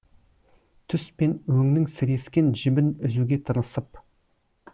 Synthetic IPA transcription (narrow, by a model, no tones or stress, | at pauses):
t̪ʰʏspe̞nwɵŋnɪŋsɪɾe̞skʲe̞nʒɪbɪnɪzuɡʲe̞t̪ʰəɾnəsəp